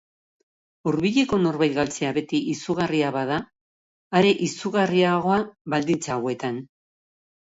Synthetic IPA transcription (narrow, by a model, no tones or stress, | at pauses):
uɾβiʎe̞ko̞no̞ɾβajɣalt͡se̞aβe̞t̪iʔisuɣariaβað̞aː | ɾe̞ʔisuɣariaɣ̞o̞aβald̪int͡saːwe̞t̪an